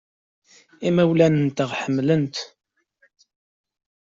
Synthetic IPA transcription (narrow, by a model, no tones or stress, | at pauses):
imæwlænənt̪əʁħəmːlənt̪